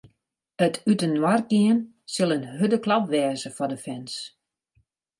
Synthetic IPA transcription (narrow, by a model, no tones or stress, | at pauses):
ətʰytənwarɡiən | sɪlˠənɦødəklɑpʋɛːzəfɔdəfɛns